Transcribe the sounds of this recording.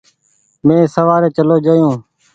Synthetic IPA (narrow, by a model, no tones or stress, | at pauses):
mẽːsəʋaːɾeːt͡ʃəloːd͡ʒəːjõː